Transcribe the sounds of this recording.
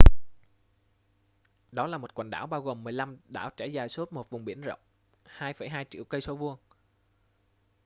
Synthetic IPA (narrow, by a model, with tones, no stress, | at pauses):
ɗɔ˨˦laː˨˩mo˨˩t̚kwa̰˨˩ŋ̟ɗa̰ː˧˩wɓaː˧wɣo˨˩mːɨ˨˩əjla˧mɗa̰ː˧˩wt͡ɕɛ˧˩jzaː˨˩jso˦˥t̚mo˨˩t̚vʊ˨˩ŋ͡mɓi˧˩ənzə̰˧˨wŋ͡m | haː˧jfə˧˩jɦaː˧jt͡ɕḭ˧˨əwkə˧jso˨˦vu˧əŋ